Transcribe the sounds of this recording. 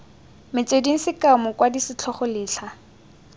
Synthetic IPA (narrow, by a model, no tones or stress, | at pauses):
mɪt͡sʼediŋ̩sɪkaʊmʊkʼwadisɪt͡ɬʰɔχɔlɪːɬʰa